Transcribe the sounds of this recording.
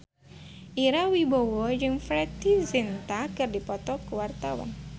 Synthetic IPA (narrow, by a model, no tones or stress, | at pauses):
ʔiɾawibowɔjɪŋfɾɛt̪izint̪akɨrdipɔt̪ɔkəwart̪awa̰n